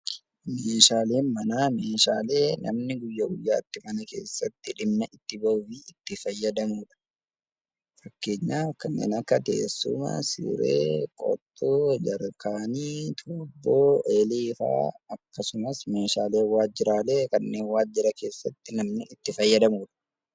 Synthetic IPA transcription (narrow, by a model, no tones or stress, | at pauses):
meːʃaːleːnmɐnaːmeːʃaːle̞ːnɐ̰mnɪɡʊjːɐɡʊjːaːt̪ːɪmɐnɐke̞̰ːsːɐt̪ːɪᶑɪmnɐʔɪt̪ːɪbɐʊfiɪt̪ːɪfɐjːɐd̪ɐmuːᶑɐ̥ | fɐkːe̞ːɲːaːfkɐnːḛːnɐkːɐt̪eːsːʊ̰mɐ̰sḭːɾḛːkʼɔ̰t̪ʼːoːd͡ʒɐɾkaːniːt̪ʰoːbːoːeːliːfa̰ːɐkːɐsʊmɐsme̞ːʃaːle̞ːwaːd͡ʒːɪɾaːle̞ːkɐnːe̞ːnwaːd͡ʒːɪɾɐke̞ːsːɐt̪ːɪnɐmnɪɪt̪ːɪfɐjːɐd̪ɐmuːᶑɐ̥